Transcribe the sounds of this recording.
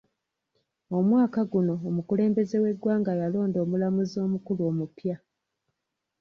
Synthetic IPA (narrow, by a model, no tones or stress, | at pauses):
o̞mwaːkaɡuno̞ːmukule̞ːmbe̞ze̞we̞ɡwaːŋɡajalo̞ːndo̞ːmulamuzo̞ːmukuluo̞ːmupja